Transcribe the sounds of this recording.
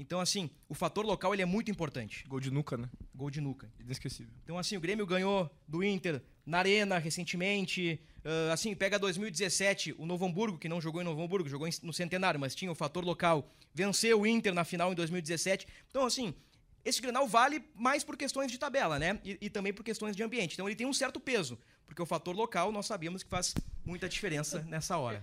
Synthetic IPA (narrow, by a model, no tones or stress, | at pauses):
ẽnt̪ɐ̃w̃asĩ | ʊfat̪oɾlokawelɪɛmũt̪ʊĩpoɾt̪ɐ̃nt͡ʃɪ̥ɡowd͡ʒɪnukɐnɛɡowd͡ʒɪnukɐẽieskesivewnt̪ɐ̃w̃asĩʊɡɾẽmjʊɡɐ̃ɲod̪ʊĩnt̪eɾ | nɐaɾẽnɐɦesẽnt͡ʃɪmẽnt͡ʃɪ | ɛasĩpɛɡɐd̪ojzmiwid͡ʒɪzesɛt͡ʃɪʔʊnovɐ̃mbuɾɡʊkɪnɐ̃w̃ʒoɡowẽnovɐ̃mbuɾɡʊʒoɡowẽnʊsẽnt̪enaɾjʊmɐst͡ʃĩɲɐʊfat̪oɾlokawvẽsewʊĩnt̪eɾnɐfinawẽd̪ojzmiwid͡ʒɪzesɛt͡ʃɪ̥̃t̪ɐ̃w̃asĩ | esɪɡɾẽnawvalɪmajspoɾkest̪õj̃zd͡ʒɪt̪abɛlɐnɛɪɪt̪ɐ̃mbẽj̃poɾkest̪õj̃zd͡ʒɪɐ̃mbiẽt͡ʃɪ̃ẽt̪ɐ̃elɪt̪ẽj̃ũsɛɾt̪ʊpezʊ | poɾkeʊfat̪oɾlokawnɔsːabiɐmʊskɪ̥faz̥mũj̃t̪ɐd͡ʒifeɾẽsɐnɛsɐɔ̰ɾɐ̰